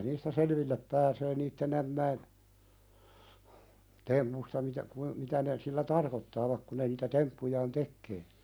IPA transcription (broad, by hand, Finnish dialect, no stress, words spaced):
niːstæ selʋilːep pæːseː niːtːen æmːæin tempustɑ mitæ kui mitæ ne silːæ tɑrkotːɑːʋɑk ku ne niːtæ tempːujɑːn tekːeː